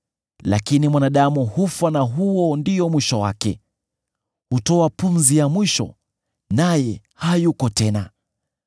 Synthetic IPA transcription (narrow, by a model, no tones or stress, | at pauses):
lakinimwanaɗamuhufwanaɦuɔndijɔmwiʃɔwa̰kɛ | hutɔapumzijamwiʃɔ̰ | najɛ | hajukɔtɛna